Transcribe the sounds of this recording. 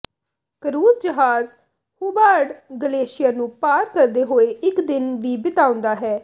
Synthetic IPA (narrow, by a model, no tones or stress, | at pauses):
kəɾuːzd͡ʒəɦaːz | huːbaːɾɖɡəleːʃɪjaːnũːpaːɾkəɾd̪eːɦoːeːʔɪkd̪ɪnʋiːbɪt̪aːʊ̃nd̪aːɦɛː